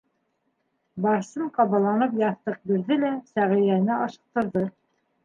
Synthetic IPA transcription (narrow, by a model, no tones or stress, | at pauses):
bɑɾsɤmqɑβɑlˠɑnɤp̬jɑθt̪ɤq̚biɾðɘlæsæʁĭjænɘɑʃɤ̆q̚t̪ɤ̆ɾðɤ